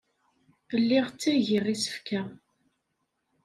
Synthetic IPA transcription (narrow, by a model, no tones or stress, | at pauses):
əlːɪʁt͡sːæʝiʁisə̥fkæ